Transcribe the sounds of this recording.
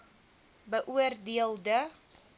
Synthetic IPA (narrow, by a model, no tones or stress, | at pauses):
bəʔuərdiəldə